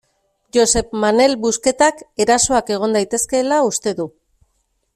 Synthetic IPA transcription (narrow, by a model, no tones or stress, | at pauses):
ʝo̞se̞pmane̞lbuske̞t̪ake̞ɾaso̞ake̞ɣ̞o̞nd̪ajt̪e̞ske̞ːlaust̪e̞ðu